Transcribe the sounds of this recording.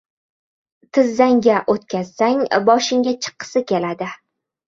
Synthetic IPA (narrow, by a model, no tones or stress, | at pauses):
t̪ʰɪzːaŋɡʲaʔot̪kʲʰaz̥saŋbɒʃɪŋɡʲat͡ʃʰɨ̥qʰːɨ̥sɪkʲe̞lad̪ɪ